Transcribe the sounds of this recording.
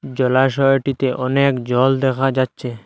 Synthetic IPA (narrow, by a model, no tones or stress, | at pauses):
d͡ʑɔlaʃɔoʈit̪eʔɔnekd͡ʑɔld̪ɛkʰad͡ʑatːɕʰe